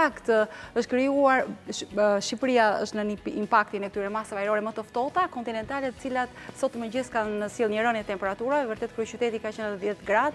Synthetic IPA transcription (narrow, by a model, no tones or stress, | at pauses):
akt̪əʃt̪kɾiuaɾ | ʃipɾijaəʃt̪nəniimpakt̪inɛkət̪yɾɛmasavajɾɔɾɛmət̪əft̪ɔt̪akɔnt̪inɛnt̪alɛt̪ə̥t͡silat̪sɔt̪əməd͡ʑəskannəsjilˠɲəɾənɛt̪ɛmpɛɾat̪uɾaɛvəɾt̪ɛt̪̚kɾut͡ʃyt̪ɛt̪ikat͡ʃənðjɛt̪ɡɾad̪